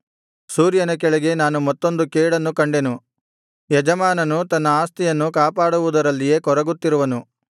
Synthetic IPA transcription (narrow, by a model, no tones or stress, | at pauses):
suːɾjɐnɐk̬ɛɭɛɡe̞naːnumɐt̪ːo̞nd̪ukeːɽɐnːukɐɳɖe̞nu | jɛd͡ʒɐmaːnɐnut̪ɐnːɐaːst̪ijɐnːukaːpaːɽuʋud̪ɐɾɐlːije̞ːkɔɾɐɡut̪ːiɾuʋɐnu